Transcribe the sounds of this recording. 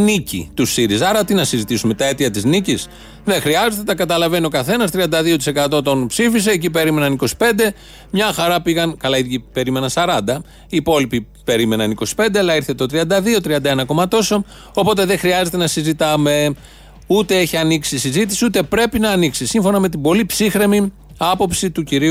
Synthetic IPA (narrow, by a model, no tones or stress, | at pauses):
nicḭt̪usiɾisɐɾɐt̪inɐsizit̪isume̞t̪ɐe̞t̪iɐt̪iznicis | ðe̞xɾiɐze̞t̪e̞t̪ɐkɐt̪ɐlɐve̞no̞kɐθe̞nɐst̪ɾiɐnd̪ɐðio̞t̪i̥se̞kɐt̪ot̪o̞npsifise̞ːcipe̞ɾime̞nɐniko̞si̥pe̞nd̪e̞ | mɲɐxɐɾɐpiɣɐnkɐlɐiðʝipe̞ɾime̞nɐnsɐɾɐnd̪ɐ | iːpo̞lipi | pe̞ɾime̞nɐniko̞si̥pe̞nd̪eɐlɐiɾθe̞t̪ot̪ɾiɐnd̪ɐðio̞t̪ɾiɐnd̪ɐe̞nɐko̞mɐt̪o̞so̞ | opo̞t̪e̞ðe̞xɾiɐze̞t̪e̞nɐsizit̪ɐme̞ | ut̪e̞eçiɐniksisizit̪i̥siut̪e̞pɾe̞pinɐːniksisiɱfo̞nɐme̞t̪̬ibo̞lipsixɾe̞mi | ɐpo̞psit̪uciɾi